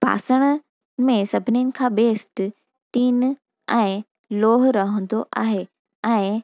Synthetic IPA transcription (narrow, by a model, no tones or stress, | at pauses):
pa̰ːsəɽ̃ | mẽsɐbʱɪnijənɪ̆kʰãːbeːsʈ | t̪iːn | ɛ̃ːɪ | loːɦʊɾɐɦə̃n̆d̪oʔaːɦe | ɛ̃ːɪ